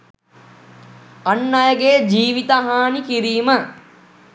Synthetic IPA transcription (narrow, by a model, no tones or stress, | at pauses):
ɐnːɐjəɡeːd͡ʒiːʋit̪əɦaːnikiɾiːmə